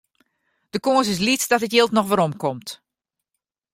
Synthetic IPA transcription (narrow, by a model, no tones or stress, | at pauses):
d̥əkoəs̬ɪs̬litdɔtətjɪːlˠtnɔxʋəɾɔmkɔmt